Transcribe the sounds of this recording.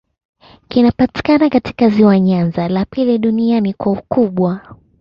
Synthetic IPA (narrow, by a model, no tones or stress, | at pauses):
kinapati̥kanakati̥kaziwaɲanzalapiliɗunianikwaukuɓwa